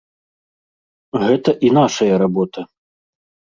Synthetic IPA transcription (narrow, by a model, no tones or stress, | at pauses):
ɣɛt̪ɐʔin̪aʂɐjɐɾabɔt̪ɐ